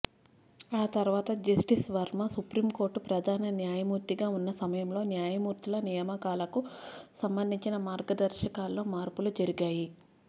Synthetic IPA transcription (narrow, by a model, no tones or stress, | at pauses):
aːt̪ɐɾʋaːt̪ɐd͡ʒɐsʈisʋɐɾmɐsupɾiːmko̞ːɾʈpɾɐd̪ʱaːnɐnjaːjɐmuːɾt̪iɡaːunːɐsɐmɐjɐmlo̞ːnjaːjɐmuːɾt̪ilɐnijɐmɐkaːlɐkusɐmbɐnd̪ʱiɲt͡ʃinɐmaːɾɡɐd̪ɐɾʃɐkaːlːo̞ːmaːɾpulud͡ʒɐɾiɡaːji